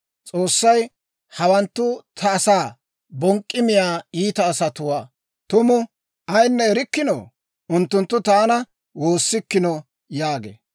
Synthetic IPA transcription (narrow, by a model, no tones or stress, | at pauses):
t͡sʼo̞ːsːɐj | hɐwɐnt̪ːʊt̪ʰɐːsaː | bɔŋkʼːɪmɪjaːiːt̪ɐːsɐt̪ʊwaː | t̪ʊmʊ | ʔɐjnːɛɛɾɪkːɪno̰ː | ʊnt̪ːʊnt̪ːʊt̪aːnɐ | wo̞ːsːɪkːɪnɔ | jaːɡḛː